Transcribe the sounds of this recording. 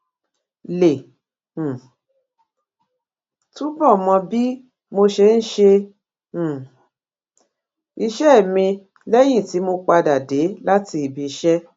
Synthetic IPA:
lẽ˨ | tũ˦bɔ˦˨mɔ̃˧bi˦ | mo˧ʃe˧n̩˦ʃẽ˧˨ | i˧ʃɛ˦˨mĩ˧ | lɛ˦j̃ĩ˦˨ti˨˦mo˧k͡pa˧da˨de˨˦la˦ti˧i˨bi˧ʃɛ˦

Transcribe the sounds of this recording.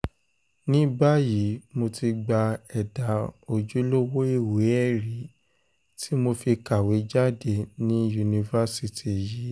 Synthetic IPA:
nĩ˦ba˦ji˨˦mo˧ti˧ɡ͡ba˧ɛ˨da˨˦o˧d͡ʒu˦lo˦wo˦e˦˨wo˨˦ɛ˦˨ɾi˨˦ | ti˦mo˧fi˧ka˨we˨˦d͡ʒa˦de˦˨nĩ˦ju˧nĩ˧va˦si˧tʰi˨ji˨˦

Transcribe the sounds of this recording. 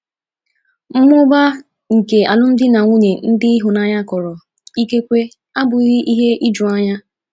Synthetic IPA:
m̩˦mʊ˦ba˦ | ŋ̩˨ke˨a˨lʊ˦n̩˦dɪ˦na˨ŋʷu˦ɲe˨n̩˦dɪ˦ɦʊ˨na˦ɲa˦kɔ˨ɾɔ˨ | i˦ke˦kʷe˦ | a˦bʊ˨˦ɣɪ˦ʔi˦ɦe˦ʔi˦d͡ʒu˨a˦ɲa˦

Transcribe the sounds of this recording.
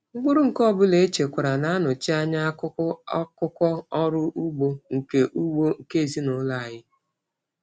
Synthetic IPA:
ŋ͡m̩˦ɡ͡bʊ˦ɾʊ˦ŋ̩˨kɔ˦˨bʊ˦le˨˦t͡ʃe˨kʷa˨ɾa˨na˦nʊ˨t͡ʃi˦a˦ɲa˦kʊ˦kʊ˦kʷɔ˦ɔ˦ɾʊ˦ʔu˦ɡ͡bo˦ŋ̩˨ke˨ʔu˦ɡ͡bo˦ŋ̩˨ke˦˨zi˦nʊ˨˦la˨a˨ɲɪ˦

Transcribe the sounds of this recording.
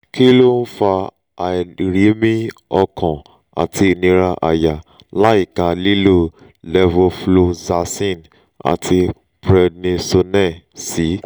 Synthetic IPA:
kʰi˦lo˦n̩˦fa˧ | a˨ɾi˨˦mĩ˦ɔ˧kʰɔ̃˨ | a̰˨tʰi˧˨nĩ˧ɾa˧ʔa̰˨ja˨ | la˦i˦˨ka˨li˦lo˦ | lɛ˧vo˧flo˧za˧sĩ˦˨n | a̰˨tʰi˧ | bɾɛ˧dnĩ˧so˧nɛ̃˦˨si˨˦

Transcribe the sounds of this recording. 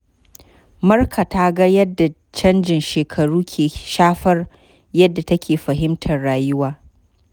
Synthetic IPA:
mɐ˦rkʰa˨ta˦ɡɐ˦jɐ˦dːa˨ | t͡ʃɐ˦nd͡ʒɪ˨nʃeː˨kʰɐ˨ɽuː˦kʲʰeː˨ʃaː˦ɸɐ˦r | jɐ˦dːa˨tɐ˦kʲeː˨ɸɐ˨ɦɪ˦mtʰɐ˨rɽaː˨jʊ˦waː˨

